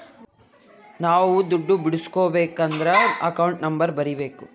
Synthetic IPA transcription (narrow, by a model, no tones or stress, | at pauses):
naːʋud̪uɖːubiɽuskoːbeːkɐnd̪ɐɾeɐkɐwɳʈnɐmbɐɾbɐɾibe̞ːku